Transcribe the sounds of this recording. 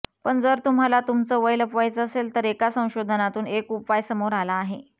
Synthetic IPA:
pəɳd͡zəɾt̪um̤alat̪umt͡səːʋəjləpʋajt͡səːselt̪əɾekasə̃w̃ɕod̪ʱənat̪uːnekupajsəmoɾalaːɦe

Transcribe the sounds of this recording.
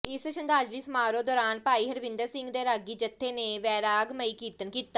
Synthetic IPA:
ɪsʃənd̪aːd͡ʒɾiːsəmaːɾoːd̪ɔːɾaːnpaːiːɦəɾʋɪ̃nd̪əɾsɪ̃ŋɡd̪eːɾaːɡiːd͡ʒət̪ʰːeːneːʋɛːɾaːəɡməiːkiːt̪ənkiːt̪ːaː

